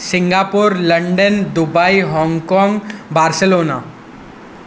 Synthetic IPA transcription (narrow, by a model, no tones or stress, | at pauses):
sɪ̃ŋɡaːpʊɾlɐ̃ɳɖənd̪ʊbaːiɦɔ̃ːŋɡkɔ̃ːŋɡbaːɾsəloːnaː